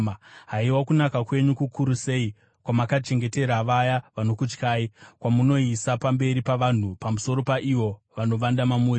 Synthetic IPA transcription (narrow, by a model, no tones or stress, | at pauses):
ɦaiwakunakakwe̞ɲukukʰuɾusei | kwamakat͡ʃe̞ŋɡe̞te̞ɾaʋajaʋano̞kut͡ʃkaːikwamuno̞isapambe̞ɾipaʋan̤upamuso̞ɾo̞paʔiʋo̞ʋano̞ʋandamamu